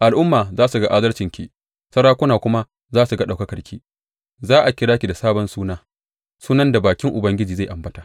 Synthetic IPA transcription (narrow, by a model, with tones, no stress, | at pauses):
ʔa˨lʔʊ˦mːaː˨zaː˦su˨ɡa˦ʔa˦zɐ˦lt͡ʃɪ˨ŋkʲi˨ | sɐ˦ɽaː˦kʷʊ˦naː˨kʷʊ˦ma˦ | zaː˦su˨ɡa˦ɗa˨kɐ˦kɐ˨rkʲʰḭ˦ | zaː˦ʔa˨kʲɪ˨˦ɽaː˦kʲi˨da˨saː˦bɔ˦nsuː˦naː˦ | suː˦nɐ˦nda˨baː˨kʲɪ˦ŋʔʊ˨bɐ˦ŋɡʲɪ˦d͡ʒiː˨za˦˨ʔa˨mbɐ˦taː˨ʔ